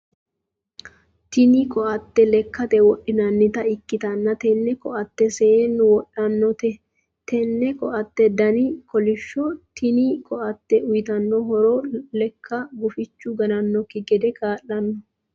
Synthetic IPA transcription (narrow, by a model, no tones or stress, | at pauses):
t̪ɪnikɔʔɐt̪ːɛlɛkːɐt̪ɛwɔɗːɪnɐnːɪt̪ɐɪkːɪt̪ɐnːɐt̪ɛnːɛkɔʔɐt̪ːɛseenʊwɔɗːɐnːɔt̪ɛ | t̪ɛnːɛkɔʔɐt̪ːɛd̪ɐnikɔlɪʃːɔt̪ɪnikʰɔʔɐt̪ːɛʔʊjɪt̪ɐnːɔɦɔɾolɛkʰːɐɡʊfɪt͡ʃːʊɡɐnɐnːɔkːɪɡɛd̪ɛkʰaːʔːɐnːɔ